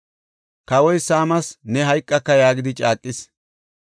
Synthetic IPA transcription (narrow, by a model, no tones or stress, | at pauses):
kɐwɔjsaːmɐsnɛɦɐjkʼːɐkːɐjaːɡɪd̪ɪt͡ʃʼaːkʼːɪs